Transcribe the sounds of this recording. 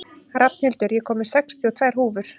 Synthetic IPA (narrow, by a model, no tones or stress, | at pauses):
ɾʔapn̥ɪlt̪ʏɾjɛkʰɔːmɪɾ̥sɛkst̪ʰiɔt̪ʰvaːjɾ̥ɦuːvʏɾ̥